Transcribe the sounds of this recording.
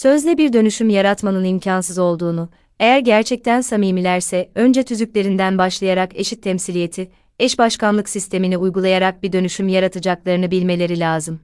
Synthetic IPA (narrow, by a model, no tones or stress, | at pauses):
sø̞zlʲɛbiɾd̪ø̞nyʃymjaɾat̪manɯnimcʰansɯzo̞lˠd̪uːnu | e̞jæɾɟæɾt͡ʃʰɛc̚t̪ʰænsamiːmilʲæɾsɛø̞nd͡ʒɛt̪ʰyzyc̚ʲlʲe̞ɾind̪ænbaʃlˠajaɾake̞̰ʃit̪ʰːɛmsilʲije̞t̪ʰi | ɛʃbaʃkanlˠɯksist̪ʰe̞miniujɡulˠajaɾak̚bid̪ø̞nyʃymjaɾat̪ʰad͡ʒaklˠaɾɯnɯbilʲme̞lʲe̞ɾilʲaːzɯm